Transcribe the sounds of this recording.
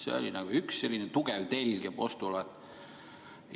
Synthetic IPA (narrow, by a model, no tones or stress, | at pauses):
sḛo̰lʲinɑɡ̥uyksːe̞lːinet̪uɡ̥ɛvt̪e̞lʲɡ̥epo̞st̪ulɑt̪